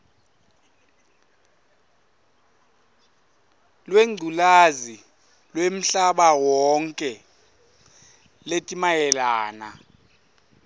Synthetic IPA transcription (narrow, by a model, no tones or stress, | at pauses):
lweŋ͡ǀʱulazi | lwem̩ɬaɓawɔŋkʼɛ | letʼimajɛlaːna